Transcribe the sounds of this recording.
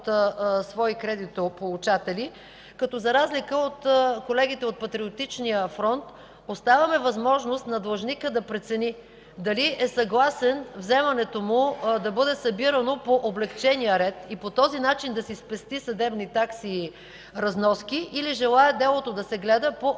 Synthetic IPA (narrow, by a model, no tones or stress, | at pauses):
t̪svɔikɾɛd̪it̪opolˠut͡ʃat̪ɛli | kɐt̪ɔzɐɾazlikəot̪kolɛɡ̟it̪ɛot̪̚pɐt̪ɾiot̪it͡ʃnijəfɾɔnt̪ | ost̪avɐmɛvɐzmɔʒnost̪nɐd̪lˠɐʒnikəd̪ɐpɾɛt̪sɛni | d̪ɐliɛsɐɡlˠasɛnvzɛmɐnɛt̪omʊd̪ɐbɤd̪ɛsɐbiɾənopoʔoblɛkt͡ʃɛnijəɾɛt̪ipot̪ɔzinat͡ʃind̪ɐsispɛst̪isɐd̪ɛbnit̪aksi | ɾɐznɔskiʔːliʒɛlˠaɛd̪ɛlˠot̪od̪ɐsɛɡlɛd̪əpo